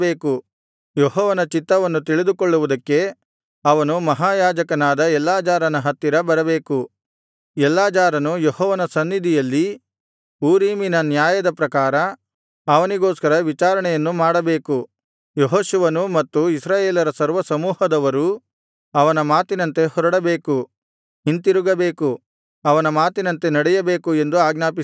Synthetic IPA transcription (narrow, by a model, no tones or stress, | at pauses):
beːku | joɦɔːʋɐnɐt͡ʃit̪ːɐʋɐnːut̪iɭid̪ukoɭːuʋud̪ɐkːe̞ | ɐʋɐnumɐɦaːjaːd͡ʒɐkɐnaːd̪ɐɛlːaːd͡ʒaːɾɐnɐɦɐt̪ːiɾɐbɐɾɐbe̞ːku | ɛlːaːd͡ʒaːɾɐnujohɔːʋɐnɐsɐnːid̪ʱijɐlːi | uːɾiːminɐnjaːjɐd̪ɐpɾɐkaːɾɐ | ɐʋɐniɡoːskɐɾɐʋit͡ʃaːɾɐɳɛjɐnːumaːɽɐbe̞ːku | joɦoːʃuʋɐnumɐt̪ːuisɾaːjeːlɐɾɐsɐɾʋɐsɐmuːhɐd̪ɐʋɐɾu | ɐʋɐnɐmaːt̪inɐnt̪e̞hɔɾɐɽɐbeːku | int̪iɾuɡɐbeːku | ɐʋɐnɐmaːt̪inɐnt̪e̞nɐɽɛjɐbe̞ːkue̞nd̪uaːɡnaːpi